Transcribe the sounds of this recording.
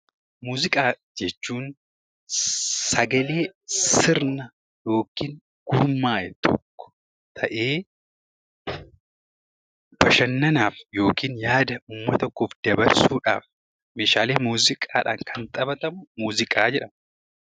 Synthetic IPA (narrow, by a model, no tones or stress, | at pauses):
muːzɪkʼaː | d͡ʒɛt͡ʃːuːn | sɐɡɐle̞ːsɪɾnɐ | jo̞ːkiːŋ | ɡ̥ʊɾmːaːjɛt̪ʰɔ̰kːɔ̥ | t̪ʰɐʔe̞ː | b̥ɐʃɐnːɐnaːfjo̞ːkiːnjaːd̪ɐʊmːɐt̪ɔkːoːfd̪ɐbɐɾsuːᶑa̰ːf | meːʃaːleːmuːzɪkʼa̰ːᶑa̰ːŋkʰɐnt̪ʼɐbɐt̪ɐmʊmuːzɪkʼaːd͡ʒɛᶑɐm